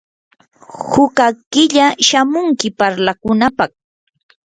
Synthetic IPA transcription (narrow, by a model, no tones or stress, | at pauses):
hʊkakɪʎaʃamʊŋkɪpaɾlakʊnapɑχ